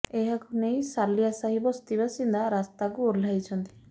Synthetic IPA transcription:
eɦakʰunejsaliasaɦibɔst̪ibasind̪ʱaɾast̪akuoɾlajt͡ʃʰɔnt̪i̥

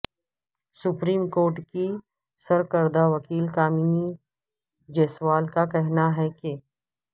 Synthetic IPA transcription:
sʊpɾiːmkoːɾʈki | sɐɾkəɾd̪aʋɐkiːlkaːmiːni | d͡ʒeːsʋaːlkakɛɦnaɦɛke

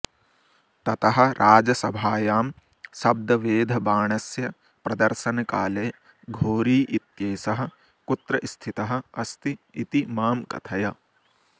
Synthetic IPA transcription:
t̪ɐt̪ɐɦɐ̆ɾʔaːd͡ʒɐsɐbʱaːjaːm | sɐb̚d̪ɐʋeːd̪ʱɐbaːɳɐsjɐ | pɾɐd̪ɐɾʃɐnɐkaːleː | ɡʱoːɾiːʔit̪jeːsɐɦɐ̆ | kut̪ɾɐʔst̪ʰit̪ɐɦɐ̆ɐst̪iit̪imaːmkɐ̰t̪ʰɐjɐ

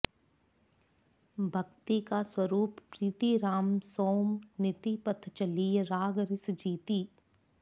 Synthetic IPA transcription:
bʱɐkt̪ikaswəɾuːppɾiːt̪iɾaːmsoːmnɪt̪ipət̪ʰt͡ʃɐliːɾaːɡɾɪsd͡ʒiːt̪iː

